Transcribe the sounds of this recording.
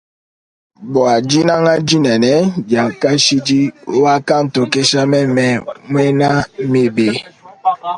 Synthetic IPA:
bɔ˨a˨d͡ʒi˦na˦ŋa˦d͡ʒi˦nɛ˨nɛ˦d͡ʒa˨ka˦ʃi˦d͡ʒi˦wa˦ka˦n̩˨to˨ke˦ʃa˦mɛ˦mɛ˨mwɛ˦na˦me˨be˨

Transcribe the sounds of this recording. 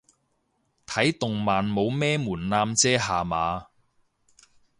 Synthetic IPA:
t̪ʰɐ˨˥jt̪ʊ˨ŋmaː˨nmo˨˧wmɛː˥muː˨˩nnaː˧mt͡sɛː˥ɦaː˨maː˨˧

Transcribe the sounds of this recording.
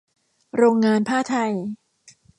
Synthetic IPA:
ɾoː˧ŋːaː˧npʰaː˥˩t̪ʰa˧j

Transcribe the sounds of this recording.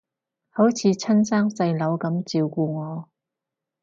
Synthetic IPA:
ho˨˥wt͡sʰiː˨˧t͡sʰɐ˥nsaː˥ŋsɐ˧jlɐ˨˥wkɐ˨˥mt͡siː˨wkuː˧ŋɔː˨˧

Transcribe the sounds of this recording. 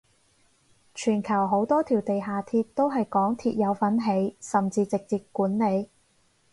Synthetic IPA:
t͡ʃʰyː˨˩nkʰɐ˨˩wɦo˨˥wt̪ɔː˥t̪ʰiː˨˩wt̪e˨jɦaː˨t̪ʰiː˧t̚t̪o˥wɦɐ˨jkɔː˨˥ŋt̪ʰiː˧t̚jɐ˨˧wfɐ˨˥nɦe˨˧˥jsɐ˨mt͡siː˧t͡sɪ˨k̚t͡siː˧p̚kːuː˨˥nle˨˧j

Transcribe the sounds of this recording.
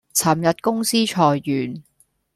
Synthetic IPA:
t͡sʰɐ˨˩mjɐ˨t̚kʊ˥ŋsiː˥t͡ʃʰɔː˨˩jːyː˨˩n

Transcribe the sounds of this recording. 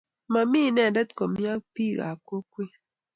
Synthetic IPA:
ma˨mi˦˨˦nɛ˨dɛ˦t̪ko˨mja˦kpi˦ɡa̰˨ko˦kwe˦

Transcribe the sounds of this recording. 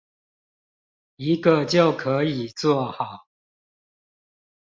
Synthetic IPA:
i˨˦ɡə˨t͡ɕjo˥˨ʊkʰə˨˧˦i˨˩t͡swɔ˥˨hɑ˨˩˦ʊ

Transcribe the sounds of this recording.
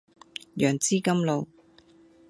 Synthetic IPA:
jœː˨˩ŋt͡siː˥kɐ˥mlo˨˧w

